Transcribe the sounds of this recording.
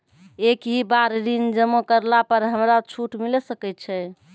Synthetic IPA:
ekɦibaɾd̪ind͡ʒəmokəɾlapəɾɦəmɾat͡ʃʰuʈmilsəkɛt̪t͡ʃʰɛ

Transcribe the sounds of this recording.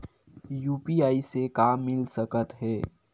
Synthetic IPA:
juːpiaːisekaːmːɪlsəkət̪ɦɛː

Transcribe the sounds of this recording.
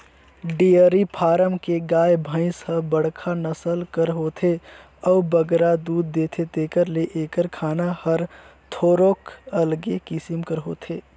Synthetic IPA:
ɖiːəɾipʰaːɾəmkeɡaːjbʱə̃ɪ̃shəbəɽ̤kʰanəsəlkəɾɦoːt̪ʰe | ɔːbəɡɾad̪uːd̪̚ːeːt̪ʰet̪eːkəɾleʔeːkəɾkʰaːnahəɾt̪ʰoːɾoːkəlɡekɪsɪmkəɾɦo̰ːt̪ʰeː

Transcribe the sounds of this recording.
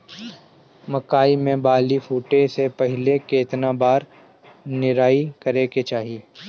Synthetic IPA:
mɐkaːimẽbaːlifuːʈesepɐɦɪlekeːɪt̪nabaːɾ | nɪɾaːikɐɾeket͡ʃaːɦieː

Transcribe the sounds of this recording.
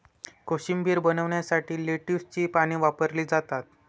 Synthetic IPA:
koɕimbʱiːɾbənəʋɳjasaʈiːleʈist͡ɕiːpaɽ̃iːʋapəɾliːd͡zat̪at̪̚

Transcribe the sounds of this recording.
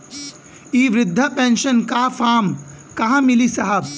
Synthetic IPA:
iːʋɾɪd̪ʱːɐpẽnʃənkafʰaːm | kɐɦãmɪlisɐɦɐb̚

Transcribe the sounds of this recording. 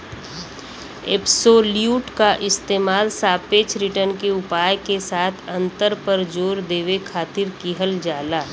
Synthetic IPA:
eːpsoːljuːʈkaʔɪst̪eːmaːlsaːpeːt͡ʃɾɪʈənkeʊpaːjkesaːt̪ʰɐ̃nt̪əɾpəɾd͡ʒoːɾd̪eːʋekʰaːt̪ɪɾkiɦəld͡ʒaːlaː

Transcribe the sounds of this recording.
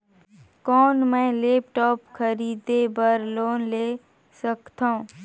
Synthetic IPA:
kɔːnmɛ̃ːleːp̚ʈɔːpkʰəɾiːd̪ebəɾloːnleː | səkt̪ãũ

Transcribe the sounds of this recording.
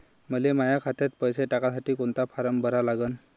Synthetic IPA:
məlemajakʰat̪et̪pəjseʈakasaʈiːkoɳt̪afaɾəmbəɾalaɡən

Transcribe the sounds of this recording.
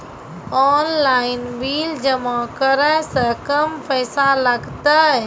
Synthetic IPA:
ɔːnlaːinbiːld͡ʒəmãkəɾəsəkəmpʰəːsaləɡt̪ə

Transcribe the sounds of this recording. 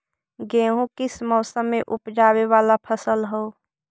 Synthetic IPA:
ɡẽːɦũkɪsmɔːsəmːẽʔʊpd͡ʒaːwewaːlapʰəsəlɦou

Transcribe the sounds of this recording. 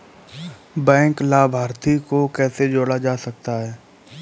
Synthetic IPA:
bɛ̃ːŋklaːbʱaːɾt̪ikokɛːsed͡ʒoːɽad͡ʒaːsək̚t̪aɦɛː

